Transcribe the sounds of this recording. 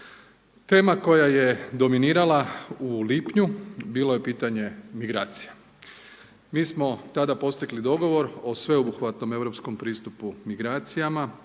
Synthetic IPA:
t̪e̞ːmako̞jaje̞d̪o̞miniːɾalauliːpɲubiːlˠo̞je̞piːt̪aɲe̞miɡɾaːt̪sija | miːsmo̞t̪ad̪apo̞st̪iɡlid̪o̞ɡo̞ʋo̞ɾosʋe̞obuxʋat̪no̞me̞ʋɾo̞psko̞mpɾiːst̪upumiɡɾaːt̪sijama

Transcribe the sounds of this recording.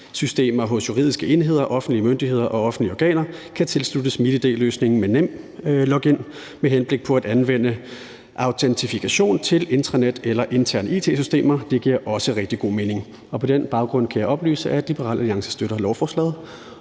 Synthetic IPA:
sysd̥e̝̰ːmɐɦɔ̽sjuʁḭð̞̰ˠisɡ̥əe̝nɦe̝ð̞̰ˠɐʔɒ̽fn̩d̥liəmønd̥iɦe̝ð̞̰ˠɐʔɒ̽ɒ̽fn̩d̥liɒɡ̥ɛ̰ːnɐkʰæt͡sʰe̝lslud̥əsmid̥əd̥e̝̰ːløːsne̝ŋn̩menem̰ | lɒɡ̥en̰ | meɦenb̥le̝ɡ̥̚pʰɒ̽æd̥ænʋen̰ə | ʔɑ̈ʊt͡sʰent͡sʰifikʰæɕo̝̰ːnt͡sʰe̝le̝nd̥ʁɐned̥elɐʔe̝nt͡sʰæɐ̰nəḭːt͡sʰe̝̰ːsysd̥e̝̰ːmɐd̥e̝ɡ̥iɐ̰ʔɒ̽səʁeɡ̥d̥iɡ̥o̝̰ːme̝ːne̝ŋ | ɒ̽pʰɒ̽d̥enb̥ɑ̈ʊɡ̥ʁɔ̽n̰kʰæjɑɒ̽b̥ly̰ːsəʔæd̥lib̥əʁɑ̰ːlʔæliɑ̈ŋsə̥sd̥øɾ̥ɐlɒʊfɒ̰ːslɛ̰ːðˠ

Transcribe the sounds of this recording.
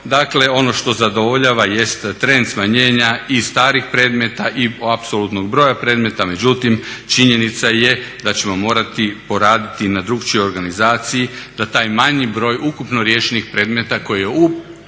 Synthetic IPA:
d̪akle̞o̞no̞ʃt̪o̞zad̪o̞ʋoʎaʋaje̞st̪ːɾe̞nd̪smaɲe̞ːɲaist̪aːɾixpɾe̞ːd̪me̞t̪aʔiapsolut̪no̞ɡbɾo̞ːjapɾe̞ːd̪me̞t̪ame̞d͡ʑut̪imt͡ʃiɲe̞nit̪sajed̪at͡ɕe̞mo̞mo̞ːɾat̪ipo̞ɾaːd̪it̪inad̪ɾuɡt͡ʃojo̞ɾɡanizaːt̪sijid̪̥at̪aːjmaɲibɾo̞ːjukupno̞ɾje̞ːʃenixpɾe̞ːd̪me̞t̪ako̞jijeu

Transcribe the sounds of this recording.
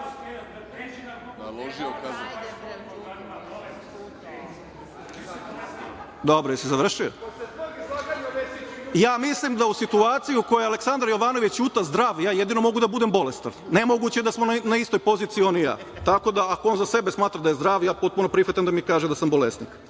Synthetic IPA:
loʒiokaz | d̪obɾojasezaʋr̩ʃijo | jaːmislimd̪ausit̪uaːt̪sijuuko̞jealeksand̪ɾajo̞ʋaːno̞ʋit͡ɕjut̪azd̪ɾaːʋjaːjed̪ino̞mo̞ɡud̪abud̪embo̞lest̪a̰ʋnemo̞ɡut͡ɕed̪asmonnaist̪ojpo̞zit̪sio̞nija̰ː | t̪ako̞d̪aːkoo̞ːnzase̞besmaːt̪ɾad̪ajezd̪ɾaːʋjaːpo̞t̪̚puno̞pɾixat̪amd̪amikaːʒed̪asambo̞lest̪niːk

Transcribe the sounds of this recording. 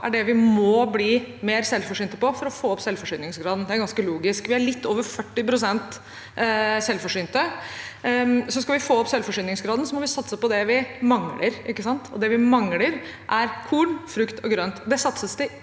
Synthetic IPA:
ʔæɖɛʋɪmɔbliːmeːɾsɛlfɔʂyːnt̪əpɔfɔɾɔfoːɔpsɛlfɔʂyːnɪŋsɡɾɑːd̪n̩d̪ɛæɾɡɑnskəluːɡɪskʋɪæɭɪt̪ʰːoːʋəɾfœʈːɪpɾʊsɛnt̪ | sɛlfɔʂyːnt̪ə | sɔskɑʋɪfoːɔpsɛlfɔʂyːnɪŋsɡɾɑːd̪nsɔmɔʋɪsɑt̪səpɔd̪ɛʋɪmɑŋləɾʔɪkːəsɑnt̪ʰɔ̰d̪ɛʋɪmɑŋləɾʔæɾkʰuːɳfɾʉkt̪ʰɔɡɾœnt̪d̪ɛsɑt̪səsd̪ɛ

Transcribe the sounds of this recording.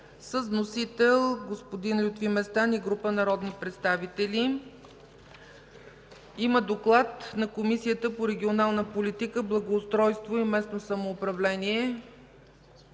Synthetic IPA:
səzvnosit̪ɛlˠɡospod̪inlʲut̪vimɛst̪aniɡɾupənɐɾɔd̪nipɾɛt̪st̪avit̪ɛli | iməd̪oklˠat̪nɐkomisijət̪əpoɾɛɡʲionalˠnəpolit̪ikəblˠɐɡoːst̪ɾɔjst̪voimɛsnosɐmoːpɾɐvlɛniɛ

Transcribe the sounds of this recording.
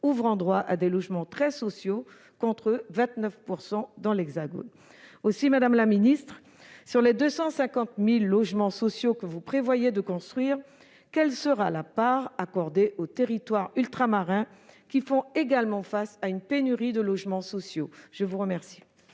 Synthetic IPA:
uvʁɑ̃d̪ʁwaʔad̪elɔʒmɑ̃t̪χɛsɔsjo | kɔ̃t̪χəvɛ̃t̪nœfpuʁsɑ̃d̪ɑ̃lɛɡzaɡo̰n | osimad̪amlaminist̪χ | syʁled̪øsɑ̃sɛ̃kɑ̃t̪milːɔʒmɑ̃sɔsjokəvupχevwajed̪əkɔ̃st̪χɥiːʁ | kʲɛlsəʁalapaʁakɔʁd̪eʔot̪eʁit̪waʁylt̪χamaʁɛ̃kʲifɔ̃eɡalmɑ̃fasaynpenyʁid̪əlɔʒmɑ̃sɔsjoʒ̥əvuʁəmɛʁsi̥

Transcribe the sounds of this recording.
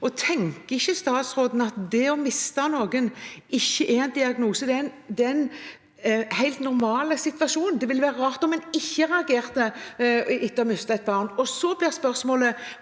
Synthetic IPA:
ɔt̪ʰɛŋkəɪçːəst̪ɑːt̪sʁoːd̪n̩ɑt̪d̪ɛɔmɪst̪ɑnoːɡənɪçːəʔɛɛnd̪ɪɑɡnuːsəd̪ɛnd̪ɛɛn | hæɪlt̪nʊɾmɑːləsɪt̪ʋɑʃuːnənd̪ɛʋɪlʋæːɾəɾɑːʁt̪ɔmːɛnɪçːəʁɛɑɡeːʁt̪ə | ɪt̪ːɔmʏst̪ɛt̪̚bɑːʁnɔsɔblɪʁspœʁsmoːlə

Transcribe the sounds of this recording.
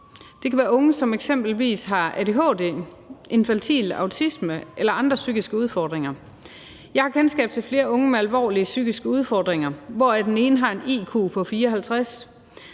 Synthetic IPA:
d̥e̝kʰæʋæːɐɔ̽ŋəsɒ̽meɡ̥sem̰b̥l̩ʋḭːsɦɑ̈æd̥e̝ɦɔ̰ːd̥e | ʔe̝nfænt͡sʰḭlɑ̈ʊt͡sʰisməʔelɐɑ̈nd̥ʁɐsyɡ̥isɡ̥əuð̞ˠfɒd̥ʁeŋɐ | jɑ̈ɪhɑ̈kʰensɡ̥ɛ̰ːb̥̚t͡sʰe̝lfle̝ːɐʔɔ̽ŋəmeælʋɒ̰ːliəsyɡ̥isɡ̥əuð̞ˠfɒ̰ːd̥ʁeŋɐʋɒːæd̥ene̝ːnəɦɑ̈e̝nḭːkʰo̝̰ːpʰɒ̽fiːɐɒɦælt͡sʰʁas

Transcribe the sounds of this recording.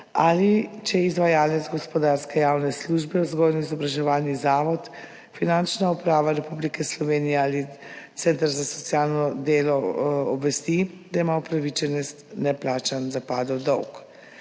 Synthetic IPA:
alit͡ʃɛizʋajaːlɛt̪zɡɔspɔd̪aɾskɛjawnɛsluʒbɛwzɡɔlnɔizɔbɾaʒɛʋaːlnizaːʋɔt̪ | finant͡ʃnaupɾaːʋaɾɛpublikɛslɔʋeːnijɛaːli | t̪sɛnt̪ɾzasɔt̪sijaːlnɔd̪eːlɔɔbʋɛst̪i | d̪aimaupɾaʋit͡ʃɛnɛst̪nɛplaːt͡ʃanzapaːd̪ɔwd̪ɔwk

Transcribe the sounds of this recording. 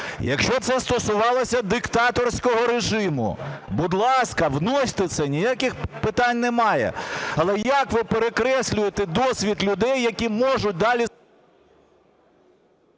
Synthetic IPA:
jɐ̰kʃt͡ʃɔt̪sɛst̪ɔsʊʋɑlˠɔsʲɐd̪ɪkt̪ɑt̪ɔrsʲkɔɦɔɾeʒɪmʊ̰bʊd̪lˠɑskɐʋnɔsʲt̪ɪt̪sɛnʲijakʲɪxpɪt̪ɑnʲnɛmɑjɛ̰ɐlˠɛjɐkʋɪpeɾekɾɛsʲlʲʊjet̪ed̪ɔsʲʋʲit̪lʲʊd̪ɛjːɐkʲimɔʒʊt̚ʲd̪ɑlʲi

